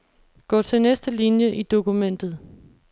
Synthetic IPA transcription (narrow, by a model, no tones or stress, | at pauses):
ɡ̥ɒ̰ːt͡sʰe̝nesd̥əlinjəʔid̥o̝kumen̰d̥ð̞̩ˠ